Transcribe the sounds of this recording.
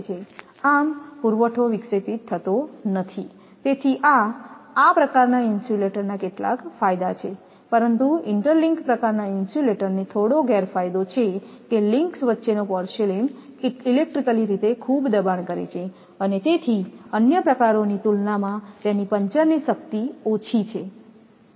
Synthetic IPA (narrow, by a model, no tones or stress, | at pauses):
t͡ʃʰe | ampuɾʋəʈʰoʋiksepit̪ʰːət̪onət̪ʰi | t̪et̪ʰiʔaː | pɾəkaɾnainsuleʈəɾnakeʈla̰kfajd̪at͡ʃʰe | pəɾənt̪uɪɳʈəɾlɪŋkpɾəkaɾnainsuleʈəɾnet̪ʰoɽoɡɛɾfajd̪ot͡ʃʰekelɪŋksʋətːʃenopɔɾʃelinilek̚ʈɾikəliɾit̪ekʰubd̪əbaɳkəɾḛt͡ʃʰe | ənet̪et̪ʰiənjəpɾəkaɾonit̪ulnamãt̪enipəɲt͡ʃəɾniʃək̚t̪iot͡ʃʰit͡ʃʰe